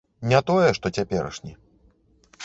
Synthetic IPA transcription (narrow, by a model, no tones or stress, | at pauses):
nʲat̪ɔjɛʂt̪ɔt͡sʲapʲɛɾɐ̰ʂnʲɛ